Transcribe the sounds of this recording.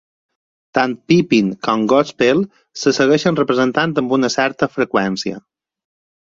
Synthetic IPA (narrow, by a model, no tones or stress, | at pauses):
t̪ant̪̚pipiŋkɔmɡɔspelˠ | səsəɣɛʃənrəpɾəzənt̪ant̪əmbunəsɛɾt̪əfɾəkwɛnsiə̰